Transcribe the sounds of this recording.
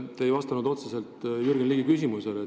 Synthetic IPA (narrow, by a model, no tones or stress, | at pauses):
t̪ejvɑst̪ɑnud̪o̞t̪sese̞lt̪ˑyɾrɡinliːɡikysimusele